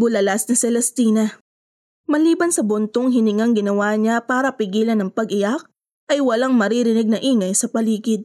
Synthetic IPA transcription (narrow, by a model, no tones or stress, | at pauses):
bʊlɐlasnɐsɛlɛst̪iːnɐ | mɐliːbɐnsɐbʊnt̪oŋɦɪnɪŋaŋɡɪnɐwaːɲapaːɾɐpɪɡiːlɐnɐŋpɐɡʔɪjak̚ | ʔɐjwɐlaŋmɐɾiɾɪnɪɡ̚nɐʔiːŋɐjsɐpɐliːɡɪd̪̚